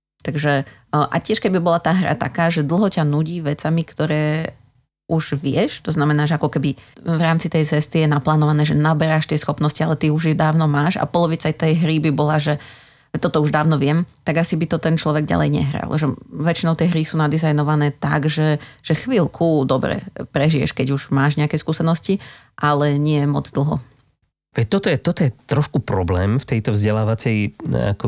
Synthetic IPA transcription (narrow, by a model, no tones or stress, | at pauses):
t̪aɡʒɛʔa̰cɪɛʃkɛbibɔlat̪aːɦɾa̰t̪a̰kaːʒɛd̪l̩ˠɦɔcanuɟiːʋɛt͡samikt̪ɔɾɛː | ʔuʒʋɪɛʃt̪ɔznamɛnaːʒɛakɔkɛbiʋɾaːmt͡sit̪ɛjt͡sɛst̪ijɛnaplaːnɔʋanɛːʒɛnabɛɾaʃt̪ɪɛsxɔpnɔscialɛt̪iuʒjɛd̪aːʊnɔmaːʃa̰pɔlɔʋit͡sajt̪ɛjɦɾibibɔlaʒɛ | ɛt̪ɔt̪ɔuʒd̪aːʊnɔʋɪɛmt̪aɡasibit̪ɔt̪ɛnt͡ʃlɔʋɛɡɟa̰lɛ̰jɲɛ̰ɦɾa̰lˠʒɛʋɛt͡ʃinɔʊt̪ɛjɦɾisuːnad̪izajnɔʋanɛːt̪aɡʒɛʒ̥ɛxʋiːlkʰud̪ɔbɾɛ̰pɾɛʒijɛ̰ʃkɛɟuʒmaːʒɲɛakɛːskuːsɛnɔsci | ʔalɛɲɪɛmɔ̰d͡zd̪l̩ˠɦɔ̰ | ʋɛc̚t̪ɔt̪ɔjɛt̪ɔt̪ɔjɛt̪ɾɔʃkupɾɔblɛːmft̪ɛjt̪ɔvzɟɛlaːʋat͡sɛja̰kɔ